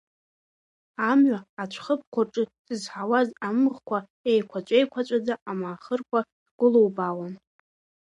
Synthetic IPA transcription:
amɥʷaːt͡ʃʷʰχəp̚kʷʰarʈ͡ʂʼɨsɨzħawazamʁkʷʰa | ejkʷʰat͡ʃʷʼejkʷʰat͡ʃʷʼad͡zaamaːχərkʷʰa | dɡ̥ʷʊlowbawan

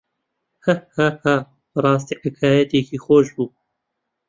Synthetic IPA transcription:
hahaha | bɨɾˤɑːs̬t̪iːħɪkʰaːjɛt̪ekʰiːxoːʃbuː

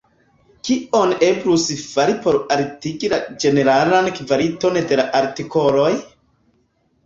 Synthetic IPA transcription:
kio̞ne̞bɾusfaɾipo̞ɾaɾtiɡilad͡ʒe̞ne̞ɾalankvaɾito̞nde̞laʔaɾtiko̞lo̞j

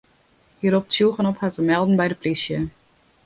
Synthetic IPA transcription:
hiːɾɔp̚sjulˠχənɔphatzəmɛlˠdn̩bɛjdəplɪsjə

